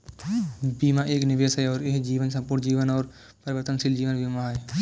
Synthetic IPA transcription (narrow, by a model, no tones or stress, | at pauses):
biːmãːʔeːknɪʋeːsɛɔːɾɪɦd͡ʒiːʋənsə̃mpʊɾnd͡ʒiːʋənɔːɾ | pəɾʋəɾt̪ənsɪld͡ʒiːʋənbiːmaːɦe